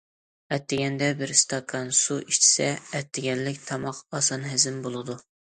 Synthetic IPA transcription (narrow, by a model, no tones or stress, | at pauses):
ɛt̪ːɪɡʲɛnd̪ɛbɪɾst̪ʰɑkʰːɑnsuiʃt͡ʃʰi̥sɛɛt̪ːɪɡʲɛnlɪkʲt̪ʰɑmɑqɑsɑnɦɪzɪmbolˠɨd̪u